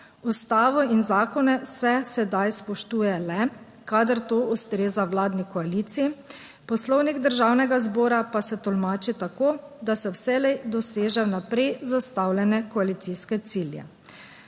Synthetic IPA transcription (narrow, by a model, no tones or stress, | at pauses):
ust̪aːʋɔinzaːkɔnɛsɛsɛd̪ajspɔʃt̪uːjɛlɛ | kad̪əɾt̪oːʔust̪ɾeːzawlaːd̪nikɔaliːt̪sii | pɔslɔwniɡd̪əɾʒawnɛɡazbɔːɾapasɛt̪ɔlmaːt͡ʃit̪akoːd̪asɛwsɛlɛjd̪ɔseːʒɛnapɾɛjzast̪awlʲɛnɛkɔalit̪siskɛt̪siljɛ̰